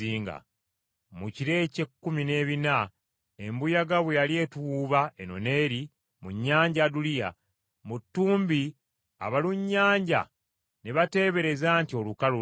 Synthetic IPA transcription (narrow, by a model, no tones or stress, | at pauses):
iːŋɡa̰ | muciɾe̞ːcekːumine̞ːβina | embujaɡaβwejalie̞tuwuːβaeno̞̰ne̞ːɾi | muɲːaːɲɟadulija̰ | mutːuːmbi | a̰βaluɲːaːɲɟa̰ | neβate̞ːβe̞ɾe̞zaːntio̞lukalu